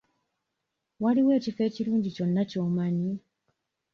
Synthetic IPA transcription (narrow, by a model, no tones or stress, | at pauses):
waliwe̞ːcife̞ːciɾuːɲɟico̞nːaco̞ːmani